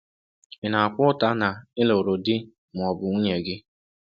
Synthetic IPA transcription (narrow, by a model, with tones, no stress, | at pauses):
ɪ˨na˨a˨kʷʊ˦ta˦na˨ɪ˦lo˨o˨ɾo˨dɪ˦ | m̩˨ɔ˨bʊ˨ŋʷu˦ɲe˨ɡɪ˦